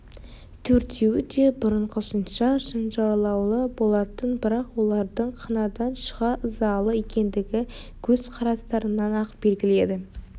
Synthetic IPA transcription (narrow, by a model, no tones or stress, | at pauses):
t̪ʰɵɾt̪ʰewɪd̪e̞bʊɾəɴqʰəsənʃɑʃənʒɑwlˠɑwlˠəbo̞lˠɑt̪ənbɪɾɑqwo̞lˠɑɾd̪əɴqʰɑnɑd̪ɑnʃə̥ʁɑʔəzɑlˠəjekʲe̞nd̪ɪɡʲɪ | kʲʰɵz̥qʰɑɾɑst̪ɑɾənɑnɑqbe̞lɡʲɪle̞d̪ɪ